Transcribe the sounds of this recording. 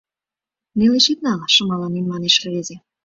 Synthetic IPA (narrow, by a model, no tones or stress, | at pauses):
neleʃet̪nɑlɑʃə̆mɑlɑnenmɑneʃlĕβeze